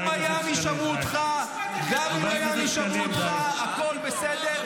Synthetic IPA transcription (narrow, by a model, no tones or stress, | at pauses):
majamiʃamuot̪χa | veamimajamiʃamuot̪χaːko̞lbesed̪eʁ